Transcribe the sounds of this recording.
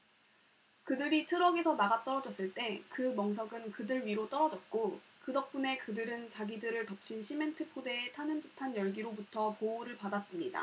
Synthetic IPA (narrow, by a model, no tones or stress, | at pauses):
kɯdɯɾitʰɯɾʌɡesʰʌnaɡat͈ʌɾʌd͡ʑʌs͈ɯɭt͈e̞kɯmʌŋsʰʌɡɯnkɯdɯɭɥiɾot͈ʌɾʌd͡ʑʌt̚k͈okɯdʌk̚p͈une̞kɯdɯɾɯnt͡ɕaɡidɯɾɯɭtʌp̚t͡ɕʰinɕʰime̞ntʰɯpʰode̞ːtʰanɯntɯtʰanjʌɭɡiɾobutʰʌpouɾɯɭpadas͈ɯmɲida̰